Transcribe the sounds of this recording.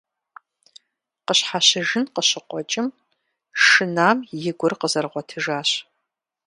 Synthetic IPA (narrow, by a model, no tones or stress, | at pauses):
qəɕħaɕɪʒɨnqəɕɪqʷʼɔt͡ʃʼɪm | ʂɨnaːmjɪɡʷʊrqəzɐrʁʷɔtʰɨʒaːɕ